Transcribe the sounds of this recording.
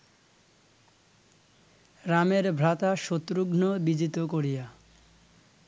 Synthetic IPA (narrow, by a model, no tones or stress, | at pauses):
ɾameɾbʱɾat̪aʃot̪ːɾuɡnobid͡ʑit̪okoɾija